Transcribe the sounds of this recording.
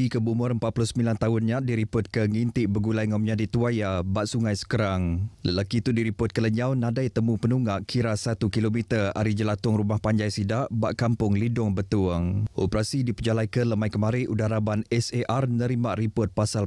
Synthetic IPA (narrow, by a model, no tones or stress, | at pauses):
ikəbumʊɾəmpat̪̚pulʊhsəmilant̪aɦʊnɲadiɾipʊt̪̚kəŋint̪iʔbəɡulajŋɔmɲãdit̪uajabaʔsuŋãjsə̥kəɾaŋləlakit̪udiɾipʊt̪̚kələɲawnãdajt̪əmũpənuŋaʔkʰiɾasat̪ukilomit̪əra̰ɾid͡ʒəlat̪ʊŋrumahpaɲd͡ʒajsidaʔba̰ʔkampʊŋlidʊŋbət̪uəŋʔopəɾasidipəd͡ʒalajkələmajkəmaɾɪʔudaɾabanɛseʔarnəɾimaʔripʊt̪̚pasal